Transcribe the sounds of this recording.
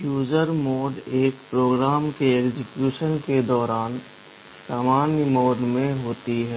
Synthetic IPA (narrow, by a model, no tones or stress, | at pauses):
juːd͡ʒəɾmoːɖeːk̚pɾoːɡɾaːmkeeːkd͡ʒɪkjuːʃənked̪ɔːɾaːn | saːmaːnjmoːɖmẽɦoːt̪iɦɛː